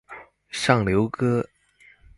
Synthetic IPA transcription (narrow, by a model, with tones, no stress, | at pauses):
ʂɑ˥˩ŋljo˧˥ʊkɤ˥